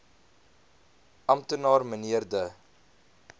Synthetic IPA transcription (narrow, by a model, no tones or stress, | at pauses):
ɐmtənɑːrməniərdə